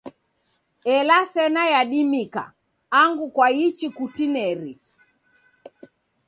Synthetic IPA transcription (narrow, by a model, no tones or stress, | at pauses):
ɛlasɛnajaɗimika̰ː | ŋɡukwait͡ʃikutinɛɾi